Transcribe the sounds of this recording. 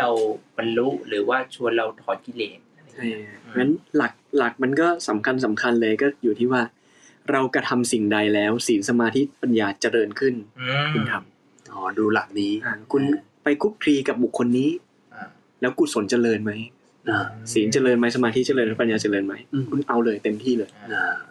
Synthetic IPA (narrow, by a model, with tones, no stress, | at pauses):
ɾa˧wba˧nlu˦˥ɾɯː˩˦waː˥˩t͡ɕʰu˧ənɾa˧wt̪ʰɔː˨˩nki˧leː˨˩t̪̚t͡ɕʰa˥˩jŋa˦˥nla˨˩k̚la˨˩k̚ma˧nkɔː˥˩sa˩˦mkʰa˧ns̬a˩˦mkʰa˧nlɤː˧jkɔː˥˩juː˨˩t̪ʰiː˥˩waː˥˩ | ɾa˧wka˧t̪ʰa˧msi˨˩ŋda˧jlɛː˦˥wsiː˩˦nsa˧maː˧t̪ʰi˦˥pa˧njaː˧t͡ɕa˨˩ɾɤː˧nkʰɯ˥˩nkʰu˧nt̪ʰa˧m | ʔɔː˨˩˦duː˧la˨˩k̚niː˦˥a˧˩kʰu˧n | pa˧jkʰu˦˥p̚kʰɾiː˧ka˨˩p̚bu˨˩kʰːo˧nːiː˦˥˧ | lɛː˦˥wku˨˩so˨˩˦nt͡ɕa˧lɤː˧nma˦˥j | aː˧˩siː˩˦nt͡ɕa˧lɤː˧nma˦˥jsa˧maː˧t̪ʰi˦˥t͡ɕa˧˨lɤː˧nma˥˩pa˧njaː˧t͡ɕa˨˧lɤː˧nma˦˥jkʰu˧nʔa˧wlɤː˧jt̪e˧mt̪ʰiː˥˩lɤː˧jaː˧